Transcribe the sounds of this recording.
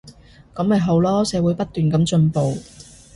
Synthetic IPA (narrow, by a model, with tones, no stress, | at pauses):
kɐ˨˥mɐ˨jɦo˨˥wlɔː˥sɛː˨˧˥wuː˨˥jpɐ˥t̚t̪ːyː˨˩nkɐ˨˥˦mt͡ʃɵ˧npo˨w